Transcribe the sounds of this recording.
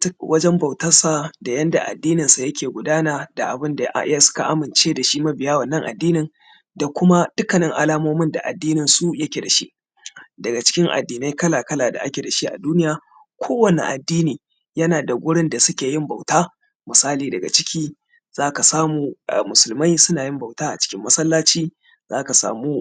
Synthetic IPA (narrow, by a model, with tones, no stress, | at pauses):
wɐ˦d͡ʒɛ˦mbɐ˨wtɐ˦rsa˨da˨jɐ˦nda˨ʔa̰˨dːiː˦nɪ˨nsa˨jɐ˦kʲʰeː˨ɡʷʊ˨daː˦naː˦da˨ʔa̰˨bɪ˦nda˨ʔʔɪ˦ja˦sʊ̥˦ka˨ʔa˦mɪ˨nt͡ʃeː˦da˨ʃi˦mɐ˦bɪ˨jaː˦wɐ˨nːɐ˦ŋʔa̰˨dːiː˦nɪ˨ŋ | da˨kʷʊ˦ma˦d̥ʊ˦kɐ˨nɪ˦ŋʔa˨laː˦moː˦mɪ˦nda̰˨ʔa̰˨dːiː˦nɪ˨nsu˦jɐ˦kʲeː˨da˨ʃḭ˦ʔ | dɐ˨ɡa˨t͡ʃɪ̥˦kʲɪ˦ŋʔa̰˨dːiː˨na˦jkɐ˦laː˨kɐ˦laː˨da̰˨ʔa˦kʲeː˨da˨ʃi˦ʔa̰˨duː˦nɪ˦jaː˦ | kʷʰoː˦wɐ˨nḭ˨ʔa˨dːiː˦niː˨ | jɐ˦naː˨da˨ɡʷʊ˦ɽɪ˦nda˨sʊ˦kʲeː˨jɪ˦mba˨wtaː˦ | mɪ˨saː˦liː˨dɐ˨ɡa̰˨t͡ʃɪ˦kʲʰiː˦ | z̥aː˦ka˨saː˦muː˨mʊ˨sʊ˨lma˦jsʊ˦naː˨jɪ˦mba˨wtaː˦ʔa̰˨t͡ʃɪ̥˦kʲɪ˦mːɐ˦sɐ˦lːaː˦t͡ʃiː˦ | zaː˦ka˨sa̰ː˨muː˦